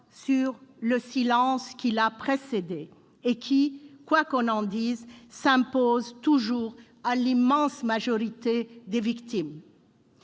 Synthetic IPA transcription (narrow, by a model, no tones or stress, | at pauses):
syʁləsilɑ̃skʲilapχesed̪eː | kʲʰikwakɔ̃nɑ̃d̪izsɛ̃pozt̪uʒuːʁ | alimɑ̃smaʒɔʁit̪ed̪evikt̪im